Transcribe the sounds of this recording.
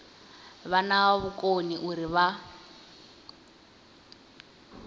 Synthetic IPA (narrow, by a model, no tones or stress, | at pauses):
βanaβukʼoniʔuɾiβa